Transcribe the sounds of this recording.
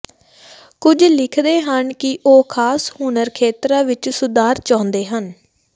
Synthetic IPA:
kʊd͡ʒlɪkʰd̪eːɦənkɪʔoːkʰaːshuːnəɾkʰeːt̪ɾãːʋɪt͡ʃsʊd̪aːɾt͡ʃãːnd̪eːɦən

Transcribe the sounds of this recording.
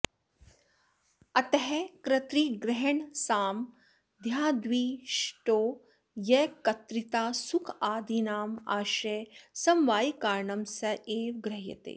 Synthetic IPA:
ɐt̪ɐɦɛkɾɐt̪ɾiːɡɾɛɦɐɳsaːm | d̪ʱjaːd̪ʋiːʃʈoː | jɐkɐt̪ɾit̪aːsukʰaːd̪ʱinaːmaːʃeːsɐmʋaːjikaːɾɳɐmsɐʔeːʋɡɾɐɦjɐ̰t̪ḛː

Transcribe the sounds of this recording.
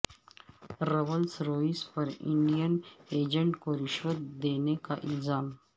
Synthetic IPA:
ɾɐwəlsɾoːispɐɾɪ̰ɳɖijəneːd͡ʒəɳʈkoɾɪʃwət̪d̪eːnekaʔɪ̰lzaːm

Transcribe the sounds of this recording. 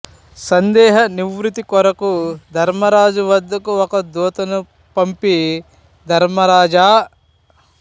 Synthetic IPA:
sɐnd̪ɛːɦɐniʋɾut̪ikɔɾɐkud̪ʱɐɾmɐɾaːd͡ʒuʋɐd̪ːɐkuɔkɐd̪oːt̪ɐnu | pɐmpi | d̪ʱɐɾmɐɾaːd͡ʒaː

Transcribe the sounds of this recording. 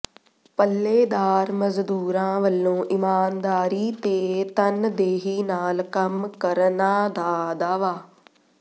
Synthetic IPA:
pəlːeːd̪aːɾməzd̪uːɾãːʋəlːõːʔɪmaːnd̪aːɾiːt̪eːt̪ənd̪eːɦiːnaːlkəmkəɾnaːd̪aːd̪aːʋaː

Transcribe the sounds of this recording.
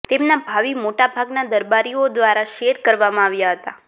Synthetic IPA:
t̪emnabʱaʋimoʈabʱaɡnad̪əɾbaɾiod̪ʋaɾaʃeɾkəɾʋamãːʋjaɦət̪a̰

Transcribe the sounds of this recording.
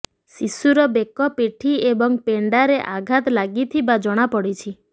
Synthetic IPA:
sisuɾɔbekɔpeʈʰiebɔŋpeɳɖaɾeʔaɡʱat̪laɡit̪ʰibad͡ʒɔɽ̃apɔɽit͡ʃʰi

